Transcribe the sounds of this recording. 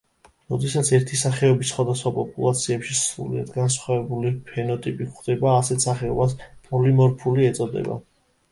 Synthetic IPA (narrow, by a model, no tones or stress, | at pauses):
ɾɔd̪ɛsat̪sʰɛɾt̪ʰisaχɛɔbisːχwad̪asχwapʼɔpʼulˠat̪sʰiɛpʃisɾṵlia̰d̪ɡansχwavɛbulipʰɛnɔt̪ʼipʼikχd̪̥ɛbaːsɛt̪ʰsaχɛɔbaspʼɔlimɔɾpʰuliɛt̪sʼɔd̪ɛ̰ba̰